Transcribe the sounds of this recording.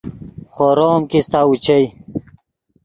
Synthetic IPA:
χoɾoːmkist̪aːut͡ɕej

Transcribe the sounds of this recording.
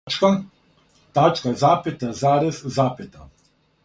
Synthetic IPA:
ka | t̪at͡ʃkazaːpet̪azaːɾɛzzaːpɛt̪a

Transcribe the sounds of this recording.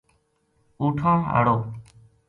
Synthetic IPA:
uːʈʰãːɦa̰ɽoː

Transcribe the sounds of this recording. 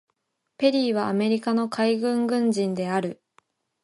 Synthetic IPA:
pe̞ɾʲiːβ̞aːme̞ɾʲikano̞kʰaiɡɯ̟̃ŋɡɯ̟̃ɲd͡ʑĩnd̪e̞aɾɯ̟

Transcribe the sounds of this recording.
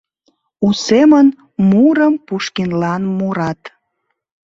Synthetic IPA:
usemən | muɾəmpuʃkinlɑnmuɾɑt̪

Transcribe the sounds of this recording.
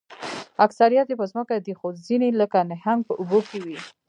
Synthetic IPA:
aksaɾijat̪epəzməkad̪ixozineləkanɪhaŋɡ̚pəʔubokewi

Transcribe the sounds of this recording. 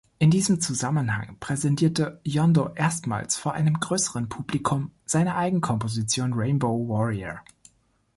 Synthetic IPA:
ʔɪndiːzəm̩t͡suzamənha̰ŋpʁ̥ɛzɛntʰiːɐtəjɔndoʔeːɐstma̰ːlsfoːɐʔa̰ɪnəmɡʁøːsəʁənpʰuːblikʰʊmz̥aɪnɐʔaɪɡŋ̩kʰɔmpozit͡sjoːnʁeɪnboʊwɔʁiə̰

